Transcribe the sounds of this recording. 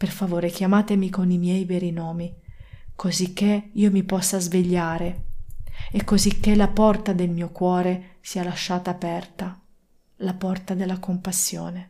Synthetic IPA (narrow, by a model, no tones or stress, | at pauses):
perfavoːɾekjamaːt̪emikonimjɛjvɛɾinɔːmikozikːeiːomipɔsːazveʎːaːɾe | ekːozikːelapɔrt̪ad̪elmiːokwɔːɾesialaʃːaːt̪aːpɛrt̪a | lapɔrt̪ad̪elːakompasːjo̰ːne